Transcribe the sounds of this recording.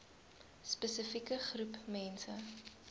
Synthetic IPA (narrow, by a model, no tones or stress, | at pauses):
spəsəfikəχrupmɛnsə